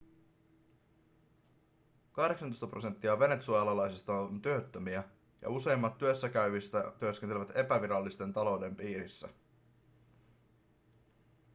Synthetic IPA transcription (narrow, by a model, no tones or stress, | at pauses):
kɑhdeksɑnost̪ɑprose̞nt̪ːiɑʋe̞ne̞t̪suɑlɑlɑjsist̪ɑont̪yøt̪ːømiæ | jɑ̰use̞jmːɑt̪ːyøsːækæyʋist̪æt̪yøskent̪eeʋæt̪e̞pæʋiɾɑlːist̪e̞nt̪ɑlo̞wde̞mpiːɾisːæ̰